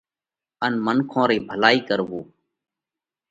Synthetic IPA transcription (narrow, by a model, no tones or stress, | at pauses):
ənmənkʰõːɾiːbʱəlaːiːkəɾʋoː